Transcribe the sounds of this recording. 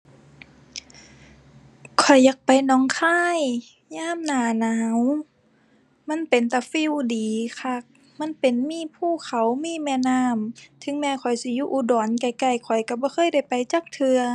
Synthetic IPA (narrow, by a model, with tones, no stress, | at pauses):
kʰɔ˨˩jːaː˧˦k̚pa˨jnɔː˧˥˦ŋkʰaː˧˥˨j | ɲaː˧˥˨mnaː˨˩naː˨˦w | ma˧˥˨npe˨nt̪a˧˩fi˧˥˨wdiː˨kʰa˧˩k̚ | ma˧˥˨npe˨nmiː˧˥˨pʰuː˧˩˨kʰa˨˦wmiː˧˥˨mɛ˧˨naː˧˥˩mt̪ʰɯ˧˦ŋmɛː˧kʰɔ˨˩jsi˧˦juː˧ʔuː˧˩dɔː˨˦nka˧˩jka˧˩jkʰɔ˨˩jka˧˩bɔː˧˦xʰɤː˧˥˨jda˧˩jpa˨jt͡ɕaː˧˦k̚t̪ʰɯ˧ɐ